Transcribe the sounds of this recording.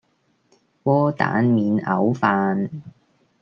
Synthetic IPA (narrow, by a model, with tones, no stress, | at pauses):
wɔː˥t̪a̰ː˨˥nmiː˨˧˥nɐ̰˨˥wfaː˨˧n